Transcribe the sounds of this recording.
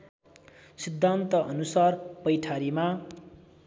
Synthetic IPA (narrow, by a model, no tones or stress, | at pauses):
sid̪ʱːant̪ʌʔʌnusarpʌjʈʰaɾima